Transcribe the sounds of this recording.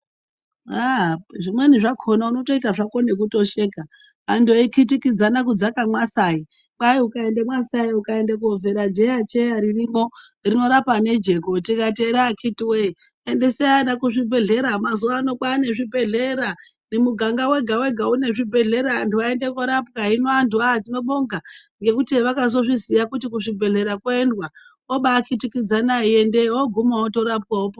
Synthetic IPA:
aʐimwe̞niʐakʰonauno̞to̞itaʐako̞ne̞k̬uto̞ʃeːkaː | ndoikʰitikid͡zanakud͡zakamwasai | kwaiukaendemwasaiukaendek̬uoveɾad͡ʒeat͡ʃejaɾirimo | rino̞ɾapane̞d͡ʒe̞ko̞tikateɾakʰitiwei | endeseanakuʐibʱe̞ɮe̞ɾamazuano̞kwaːne̞ʐibʱe̞ɮe̞ɾa | nemuɡʱaŋɡawe̞ɡʱawe̞ɡʱaune̞ʐibʱe̞ɮe̞ɾandiwaende̞koɾapkaɦinoanduatino̞ɓo̞ŋɡaŋɡe̞kutiʋakaz̬o̞ʐizijakutikuʐibʱe̞ɮe̞ɾakoendwa | oɓaːkitikid͡zanaiendeoɡʱumaoto̞ɾapkaopo

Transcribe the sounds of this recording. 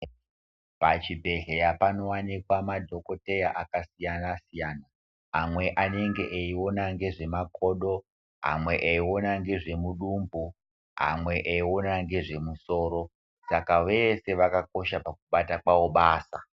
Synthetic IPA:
pat͡ʃibʱe̞ɮejapano̞wanikwamadʱo̞ko̞te̞jaʔakasijanasijana | ɦamwe̞ʔane̞ŋɡe̞ʔeio̞naŋɡe̞ʐe̞makʰo̞ɗo̞ | ɦa̰mwe̞ʔeio̞naŋɡe̞ʐe̞muɗumbu | ɦa̰mwe̞ʔeio̞naŋɡe̞ʐe̞muso̞ːɾo̞ | sakaʋe̞se̞ʋakako̞ʃapak̚uɓatakwawo̞ɓaːsa

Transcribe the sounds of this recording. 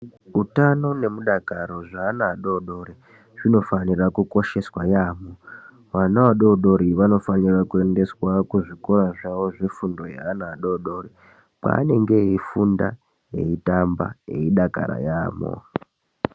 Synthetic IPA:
utano̞ne̞muɗakaɾo̞ʐaːnaːɗo̞ɗo̞ɾi | ʐ̥ino̞fanirakuko̞ʃe̞swajaːmo | ʋanaʋaɗo̞ɗo̞ɾiʋano̞fanirakue̞nde̞swakuʐikoɾaʐaʋo̞ʐe̞fundo̞ja̰ːnaːɗo̞ɗo̞ri | pa̰ːne̞ŋɡe̞ifunda̰ | je̞̰itamba̰jeiɗaka̰ɾa̰jaːmo̰

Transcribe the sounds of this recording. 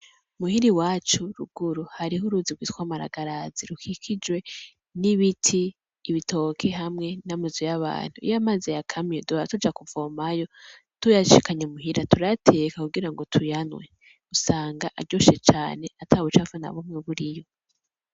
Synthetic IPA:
muhiɾiwaːt͡ʃuɾṵɡ̥uɾuhaɾiɦuɾuziɡwiːtwamaɾa̰ɡaɾaziɾukʰikʰid͡ʒwe̞ | niβitʰiː | βitʰo̞kʰeɦamŋe̞namazujaβa̰ːn̥huḭjamazejakʰamieduatud͡ʒakuvo̞majo̞ | tujaʃikaɲemuɦiɾatʰuɾatʰe̞kakuɡiɾaŋɡo̞tʰujanwe | usaːŋɡaʔaɾɟo̞ːʃet͡ʃaːne̞atʰaβut͡ʃavana̰βumŋeβuɾijo̞

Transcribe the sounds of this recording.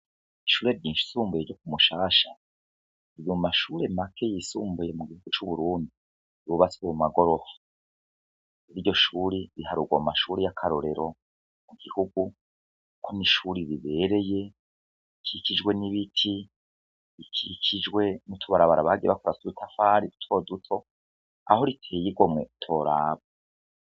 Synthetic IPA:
iʃuːɾe̞bɟiːnʃi̥suːmbujeɾd͡ʒo̞k̚umuʃaːʃa | iβuumaʃuɾe̞makʰe̞jisuːmbujemuɡihuɡut͡ʃuβuɾuːndi | uβasuumumaɡo̞ɾo̞fu̥ | iβiɾɟo̞ʃuːɾiɾihaɾuɡwamumaʃuɾejakʰaɾoɾe̞ɾo̞ | muɡ̥ihuɡu | kukʰoniʃuɾiɾiβe̞ːɾe̞je̞ | ikʰicid͡ʒɡwe̞niβitʰi | ikʰikʰid͡ʒwe̞nutʰuβaɾaβaɾaβaɡiβakuɾasuɾitʰafaːɾidu̥tʰo̞dutʰo̞ | a̰ho̞ɾitʰeːjiɡo̞mŋe̞tʰo̞ːɾaːβa

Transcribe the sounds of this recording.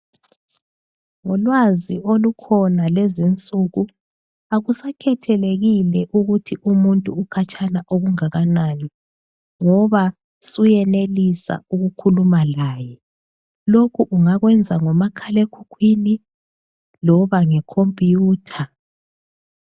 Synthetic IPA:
ŋɔlwaziolukʰɔnalezint͡sʼuɣu | aɣusakʰɛtʰɛleɣilɛʔuɣutʰiʔumuntʼuːkʰat͡ʃʰʼanaʔoɣuŋaɣanani | ŋɔβa | sujɛnelisa̰uɣukʰulumalaːjɛ | lokʰuʔuŋaɣwɛnd͡zʱaŋɔmakʰalekʰukʰwini | lɔβaŋɛkʰompʼijuːtʰa

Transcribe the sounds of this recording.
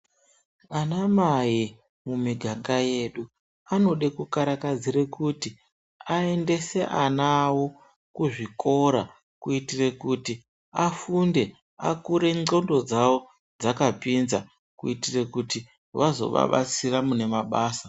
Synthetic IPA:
anamaji | mumiɡʱaŋɡajeːɗu | ano̞ɗekukaɾakad͡zirekuti | ae̞nde̞se̞ʔanaːwo̞ | kuʐiko̞ɾa | kuitire̞kuti | afunde̞ | a̰kuɾe̞o̞ndo̞d͡zawo̞ | d͡zakapinza | kuitire̞kuti | ʋazo̞̰ʋa̰ɓa̰t͡siramune̞maɓaːsa

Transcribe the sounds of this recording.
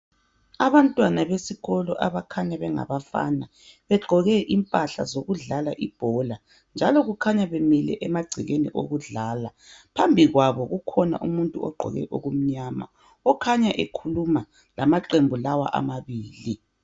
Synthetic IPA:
aβantʼwanaβesiɣɔlɔʔaβakʰaɲaβɛŋa̰βafa̰na | βɛɡ͡ǃʱɔɣɛʔimpʼaɬa̰zoɣuɮalaʔib̥ʱɔla | nd͡ʒʱalɔɣukʰaɲaβemilɛ̰ʔɛmaɡ͡ǀʱiɣenḭʔo̰ɣuɮaːlapʰambʱiɣwaβɔɣukʰɔna̰ʔumuntʼuɔ̰ɡ͡ǃʱɔ̰ɣɛ̰ʔoɣum̩ɲama̰ | ɔkʰaɲaʔekʰuluma | lamaǃembʱulawa̰ʔa̰maβiːli

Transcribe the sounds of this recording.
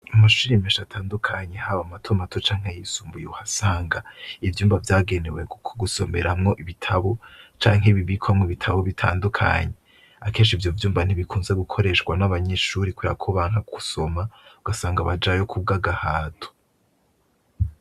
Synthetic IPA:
amaʃuɾimeʃatʰaːndukʰaɲe̞haβamatʰomatʰot͡ʃaːŋ̥he̞jisuːmbujeuhasaːŋɡaivjuːmbavjaːɡe̞ne̞wekukʰoɡuso̞̰me̞̰ɾamŋo̞ʔiβitʰaβo̞t͡ʃaːŋ̥ɦeβiβikwamŋoβitʰaβoβitʰaːndukʰa̰ɲe̞ | akʰe̞ːnʃivjoːvjuːmban̥iβikʰuːnze̞ɡukʰo̞ɾe̞ʃɡwanaβaɲe̞ʃuːɾikweɾa̰kʰoβaːŋhakʰu̥so̞mauɡ̥asaːŋɡaβad͡ʒajo̞kʰub̚ɡaɡahaːtʰo̥

